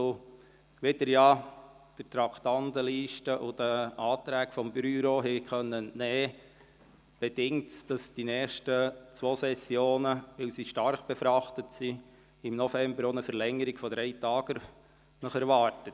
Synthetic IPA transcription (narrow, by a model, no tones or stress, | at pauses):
o | ʋedəɾjɑ | d̥ətɾɑkʰt̪ɑntəliːʃtəʔʊd̥əʔɑːt̪ɾæːkfɔmb̥yɾoːɦɛkχœnːənnɛː | b̥ɛd̥ɪŋtsd̥ɑsd̥inɛːχʃtət͡sʋoːsɛsjoːnəʋɪlsiʃtɑrχb̥ɛfɾɑχtətsi | ɪmnɔfɛmbəɾonəfəɾlɛŋəɾɪɡ̥fɔdɾɛɪtɑːɡ̥əɾ | nəχɛɾʋɑːɾtət